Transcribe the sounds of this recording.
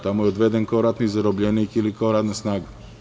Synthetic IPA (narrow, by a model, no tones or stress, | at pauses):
t̪amojeod̪ʋed̪enkaoɾat̪nizaɾobʎenikilikaoɾaːt̪nasnaːɡa